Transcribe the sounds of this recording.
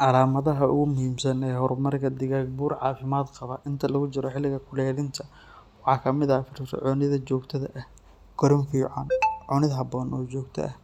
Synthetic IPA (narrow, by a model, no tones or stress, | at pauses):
ʔɑlaːmɐðɐɦɐʔʊ̰ɣʊmʊhiːmsɐnɛːhɔɾmɐrkʰɐd̪ɪɣaːɡbuːrʕɑ̰ːfɪmaːd̪qɑβɐʔɪnt̪ʰɐlɐɣʊt͡ʃɪɾɔħɪlːɪɣɐkʰʊlɛːðɪnt̪ʰɐ | wɑħɑːkʰɐmɪðɐfɪrsʕɔːnɪðɐt͡ʃɔːɡt̪ʰɐðɐʔɐh | ɡ̥ɔɾɪnfiːʕɑnʕʊnɪðɦɐbɔːnʔɔːt͡ʃɔːɡt̪ʰɐ̰ʔɐh